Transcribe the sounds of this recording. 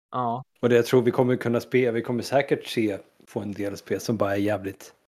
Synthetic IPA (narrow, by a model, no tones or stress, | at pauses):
ʔɑːɔd̪ɛjat̪ʰɾuːɾvɪkʰɔmːəɾkʰɵnːaspeːvɪkʰɔmːəsɛːkəʈseː | pʰɔɛnd̪eːlaspeːlsɔmbɑːɾaæɾjɛːvlɪt̪